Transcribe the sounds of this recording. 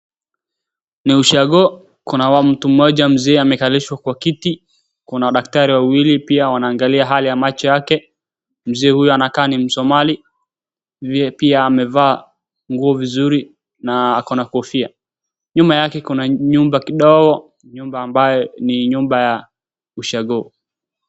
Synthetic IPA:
niuʃaɠɔ | kunawam̩tum̩ːɔʄam̩zɛːamɛkaliʃwakwakiti | kunawaɗak̚taɾiwawilipiawanaːŋɡaliaɦalijamat͡ʃɔjakɛ | m̩zɛːhujuanakaːnim̩sɔmali | vipiaːmɛvaː | ŋɡuɔvizuɾi | naakɔnakuɔfia | ɲumbajakɛkunaɲumbakiɗɔɡɔ | ɲumbaːmbajɔniɲumbaja | uʃaɠɔ

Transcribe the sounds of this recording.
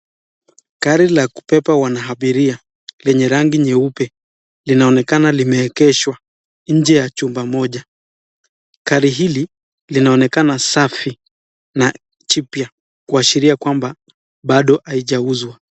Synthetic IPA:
kaɾilaku̥pɛpawanaɦaɓiɾia | lɛɲɛɾaŋɡiɲɛupɛ | linaɔnɛkanalimɛːkɛʃwa | ɲ̩d͡ʒɛjat͡ʃumbamɔʄa | kaɾiɦili | linaɔnɛkanasafi | na | t͡ʃipja | kuaʃiɾiakwamba | ɓaɗɔʔaiʄauzwa

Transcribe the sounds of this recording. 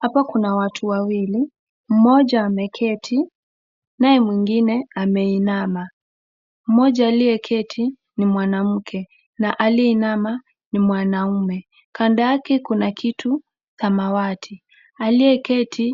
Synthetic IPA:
hapakunawatʰuwawili | m̩mɔʄaːmɛkʰɛtʰi | naɛmwiŋɡinɛamɛinama | m̩mɔʄaːliɛkʰɛtʰi | nimwanam̩kʰɛ | naʔaliɛinama | nimwanaumɛ | kandaakɛkunakʰitʰu | θamawatʰi | aliɛkɛtʰi

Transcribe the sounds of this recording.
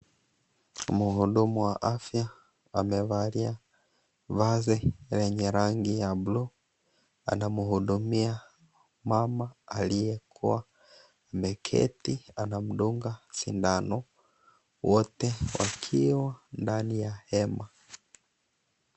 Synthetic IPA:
muɦuɗumuwaʔafja | amɛvaɾia | vazɛɾɛɲɛɾaŋɡijablu | a̰namuhuɗumia | mamaalijɛkʰṵwaː | mɛkʰɛ̰tianam̩ɗuŋɡasindanɔ | wɔtɛwa̰kʰiwandanijahɛma

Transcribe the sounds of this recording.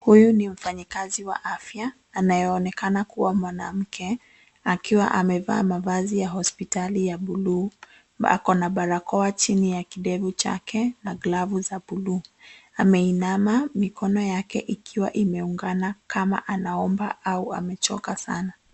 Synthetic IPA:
hujunim̩faɲikaziwa̰ʔafjaː | najɛːnɛkanakuwamwana̰m̩kʰɛ | akiwa̰ʔamɛva̰ːmavazijaɦɔspitalijaɓulu | a̰kɔnaɓaɾakɔat͡ʃinijakiɗɛvut͡ʃa̰kɛnaɡlavuzaɓuluːamɛinamamikɔnɔjakɛʔikʰiwaʔimɛuŋɡanakama̰ʔanaɔmba̰auamɛt͡ʃɔkasa̰na

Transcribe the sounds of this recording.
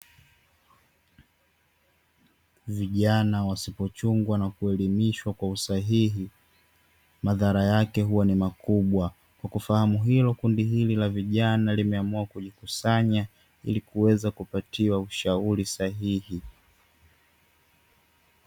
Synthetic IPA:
viʄanawasipɔt͡ʃuŋɡwanakuɛlimiʃwakwausaɦiɦi | maðaɾajakɛɦuwanimakuɓwa | kwakufahamuɦilɔkundiɦililaviʄanalimɛamuakuʄikusaɲa | ḭlikuwɛzakupatʰiwauʃauɾisaɦihi

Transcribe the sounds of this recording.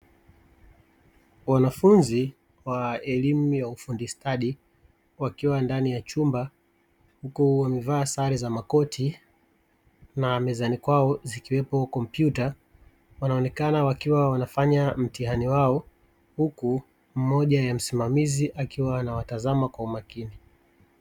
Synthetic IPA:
wanafunzi | waɛlimujaufundistʰaɗi | wakiwandanijat͡ʃumba | hukuwamɛvaːsaɾizamakɔtʰi | namɛzanikwaɔzikiwɛpɔkɔmpjuta | wanaɔnɛkanawakiwawanafaɲam̩tihaniwaɔ | huku | m̩mɔʄajam̩simamiziʔakiwaːnawatazamakwaumakini

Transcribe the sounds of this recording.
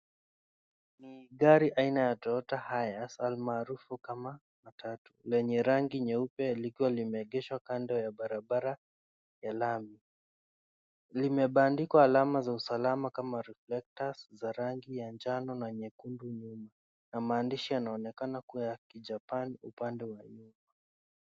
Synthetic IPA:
niɠaɾiʔainajatɔɔtahajasalmaːɾufukama | matʰatulɛɲɛɾaŋɡiɲɛupɛlikiwalimɛːɠɛʃwakandɔjaɓaɾabaɾa | jalami | limɛɓaːndikwaːlamazausalamakamaɾiflɛk̚taszaɾaŋɡijand͡ʒanɔnaɲɛkunduɲuma | namaːndiʃijanaɔnɛkanakuajakiʄapanṵpandɛwaɲuma

